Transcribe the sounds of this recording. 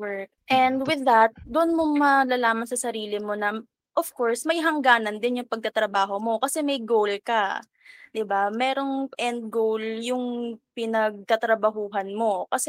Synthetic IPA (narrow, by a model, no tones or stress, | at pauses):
wɛɹk̚ʔɛnd̪wɪðɐt̪̚d̪ʊʔʊnmoŋmɐlalaːmɐnsɐsɐɾiːlɪmo̞nɐ | ʔofkoɹsmɐjɦɐŋɡaːnɐnd̪ɪnjʊŋpɐɡ̚t̪ɐt̪ɾɐbaːɦo̞mo̞kɐsɛmɐjɡowlkɐ | d̪ɪbamɛːɾo̞ŋʔɛnd̪̚ɡowljʊŋpɪnɐɡ̚t̪ɐt̪ɾɐbɐɦuːɦɐnmo̞kɐsɛ